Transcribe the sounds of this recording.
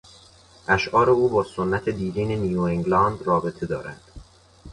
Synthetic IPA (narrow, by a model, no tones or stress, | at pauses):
ʔæʃʔɒːɾe̞uːbɒːsonːæt̪ʰe̞d̪iːɾiːnenijuːeŋɡlɒnd̪rɒːbe̞t̪ʰe̞d̪ɒːɾæ̰nd̪̥